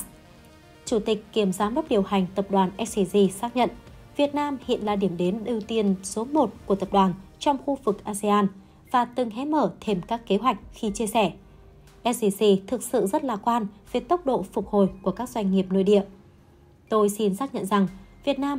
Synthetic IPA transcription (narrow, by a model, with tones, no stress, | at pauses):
t͡ɕu˧˩t̪ï˨˩k̟̚kːi˧˩əmzaː˨˦mɗə˦˥k͡p̚ɗi˨˩əwha˨˩jŋ̟t̪ə˨˩p̚ɗwaː˨˩nʔɛ˦˥s̚si˧si˧saː˦˥k̚ɲə̰˧˨n | vi˨˩ət̚naː˧mhḭ˧˨ənlaː˨˩ɗi˧˩əmɗe˨˦nɗɨ˧˩wt̪i˧ənso˨˦mo˨˩t̚ku˧˩ət̪ə˨˩p̚ɗwaː˨˩nt͡ɕɔ˧wŋ͡mxu˧vɨ˨˩k̚ʔaː˧ze˧ʔaː˧n | vaː˨˩t̪ɨ˨˩ŋɦɛ˨˦məː˧˩t̪ʰe˧mkaː˦˥kːe˨˦ɦwa˨˩jk̟̚xi˧t͡ɕi˧əsɛ˧˩ | ʔɛ˦˧˥t̚si˧si˧t̪ʰɨ˨˩k̚sɨ̰˧˨zə˦˥t̚laː˨˩kwaː˧nve˨˩t̪ə˦˥wk͡p̚ɗo̰˧˨fʊ˨˩k͡p̚ho˨˩jku˧˩əkaː˦˥k̚zwa˧jŋ̟ːi˨˩əp̚no̰˧˨jɗḭ˧˨əw | t̪o˧jsi˧nsaː˦˥k̚ɲə̰˧˨nza˨˩ŋvi˨˩ət̚naː˧m